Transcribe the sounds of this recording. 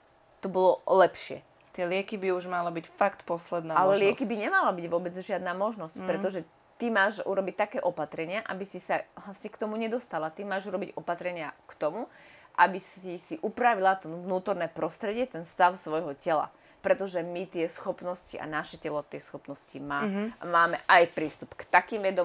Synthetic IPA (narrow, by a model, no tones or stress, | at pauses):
t̪ɔbɔlɔlɛpʃɪɛ̰ | t̪ɪɛlɪɛkibiuʒmalabicfakt̪pɔslɛd̪naalɛlɪɛkibiɲɛmalabiɟʋʊɔbɛd͡zʒɪad̪naːmɔʒnɔscpɾɛt̪ɔʒɛ | t̪imaːʒṵɾɔbic̚t̪akɛːʔɔpat̪ɾɛɲɪaʔabisisavlasɲɛkt̪ɔmuɲɛd̪ɔst̪alat̪imaːʒuɾɔbiɟɔpat̪ɾɛɲɪakt̪ɔmuʔabisisiʔupɾaʋilat̪ɔvnuːt̪ɔɾnɛːpɾɔst̪ɾɛɟɪɛt̪ɛnst̪aʊsʋɔjɦɔcɛla̰ | pɾɛt̪ɔʒɛmit̪ɪɛsxɔpnɔsciʔa̰naʃɛcɛlɔt̪ɪɛsxɔpnɔscimaːa̰maːmɛʔajpɾiːst̪upkt̪akiːmʋɛd̪ɔ